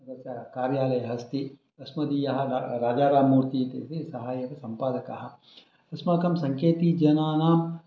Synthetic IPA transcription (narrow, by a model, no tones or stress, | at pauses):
dɐsɐkaːɾjaːlɐjɐɦɐst̪i | ɐsmɐd̪ijɐɦɐɾaːd͡ʒaːɾaːmuːɾt̪iːt̪ḛːt̪isɐɦaːjɐʋɐsɐmpaːd̪ɐkɐɦɐ̆ | ɐsmaːkɐmsɐŋkʰeːt̪id͡ʒɐnaːnaːm